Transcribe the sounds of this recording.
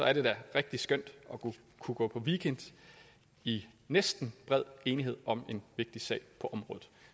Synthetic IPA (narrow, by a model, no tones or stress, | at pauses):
sɒ̽æɐɾ̥e̝d̥æʁeɡ̥̚d̥isɡ̥øn̰d̥ɒ̽ɡu | kʰuɡ̥ɔ̰ːpʰɒ̽ʋikʰend̥ | inesd̥n̩b̥ʁɛð̞̰ˠe̝ːniɦe̝ð̰ˠɒ̽me̝nʋe̝ɡ̥̚d̥isɛ̰ɪpʰɒ̽ʔɒ̽mʁɔ̽ːð̩ˠ